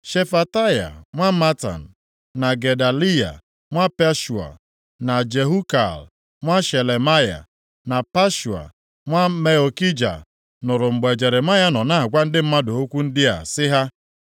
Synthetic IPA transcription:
ʃe˨fa˨ta˦ja̰˨ŋʷa˦ma˦ta̰˨n̩˨ | na˨ɡe˨da˨li˦ja̰˨ | ŋʷa˦pe˦ʃu˨a̰˨ | na˨d͡ʒe˨ɦu˦ka̰˨l | ŋʷa˦ʃe˨le˨ma˦ja̰˨ | na˨pa˦ʃu˨a̰˨ | ŋʷa˦me˨o˨ki˦d͡ʒa̰˨ | nʊ˨ɾʊ˨ŋ͡m̩˨ɡ͡be˨d͡ʒe˨ɾe˨ma˦ja˦nɔ˨na˦˨ɡʷa˦n̩˦dɪ˦m̩˦ma˦do˨o˦kʷu˦n̩˦dɪ˦a̰˨sɪ˦ɦa˦

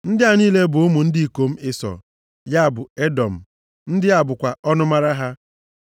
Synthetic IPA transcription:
n̩˦dɪ˦a˨niː˦le˦bʊ˨ʊ˦mu˨n̩˦di˦i˨ko˦m̩˦ɪ˦sɔ̰˨ | ja˦a˨bʊ˨e˦dɔ˨m̩˨ | n̩˦dɪ˦a˨bʊ˨kʷa˨ɔ˦nʊ˦ma˦ɾa˦ɦa˦

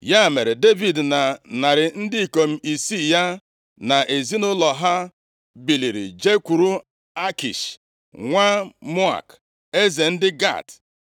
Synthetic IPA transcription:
ja˦˨me˨ɾe˨de˦vi˨dna˨na˨ɾɪ˨n̩˦dɪ˦i˨ko˨m̩˦i˨si˦ja˦ | na˨ʔe˨zi˦nʊ˦lɔ˨ɦa˦ | bi˨li˨ɾḭ˨d͡ʒe˦kʷu˨ɾu˦ | a˦kḭ˨ʃ | ŋʷa˦mɔ˦a̰˨k | e˦ze˨n̩˦dɪ˦ɡa̰˦˨t

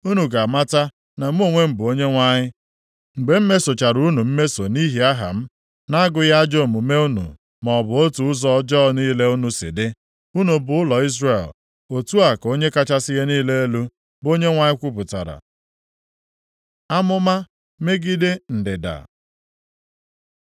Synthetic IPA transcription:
u˦nu˨ɡa˨ma˦ta˦ | na˨m̩˦o˦˨ŋʷe˦m̩˨bʊ˨o˦ɲe˦ŋʷa˦ɲɪ˦ | ŋ͡m̩˨ɡ͡be˨m̩˦me˦so˨t͡ʃa˨ɾu˨˦nu˨m̩˦me˦so˨ni˦ɦi˦a˦ɦa̰˨m̩˦ | na˦a˦ɡʊ˨˦ja˦d͡ʒo˦˨mu˨me˦u˦nṵ˨ | mɔ˨bʊ˨o˦tu˨ʊ˦zɔ˦d͡ʒɔː˦niː˦le˦u˦nu˨sɪ̰˨dɪ˦ | u˦nu˨bʊ˨˦ʊ˦lɔ˨i˦zre˦˨l | o˨tu˦a˨ko˦ɲe˦ka˦t͡ʃa˦sɪ˦ɦe˦niː˦le˦e˦lu˦ | bo˦ɲe˦ŋʷa˨ɲɪ˦kʷu˦p̬ʊ˨ta̰˨ɾa̰˨ | a˦mʊ˦ma˦ | me˦ɡi˦dɪ˦n̩˨dɪ˨da̰˨

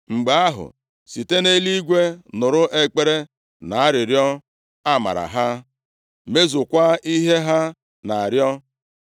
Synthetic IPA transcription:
ŋ͡m̩˨ɡ͡ba˨a˦ɦʊ̰˨ | si˨te˦ne˦li˦ɡʷe˦nʊ˨ɾʊ˦ʔe˦k͡pe˦ɾe˦ | na˨a˦ɾɪ˨ɾjɔ˦ | a˦ma̰˨ɾa̰˨ɦa˦ | me˦zʊ˨kʷa˦i˦ɦe˦ɦa˦ | na˨a˨ɾjɔ˦

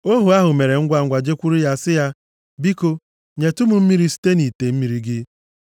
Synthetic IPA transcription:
o˦ɦu˨a˦ɦʊ˨me˨ɾe˨ŋ̩˦ɡʷa˦ŋ̩˨ɡʷa˨d͡ʒe˦kʷu˦ɾu˦ja˦sɪ˦ja˦ | bi˦ko˦ | ɲe˨tʊ˦mʊ˨m̩˦mi˦ɾi˦si̥˦te˦ni˨te˨m̩˦mi˨ɾi˨ɡɪ˦

